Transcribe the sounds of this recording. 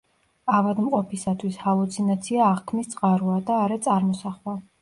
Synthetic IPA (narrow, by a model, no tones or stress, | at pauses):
avad̪mqʼɔpʰisat̪ʰwishalˠut̪sʰinat̪sʰiaːʁkʰmist̪sʼqʼaɾuad̪aːɾɛt̪sʼaɾmɔsaχwa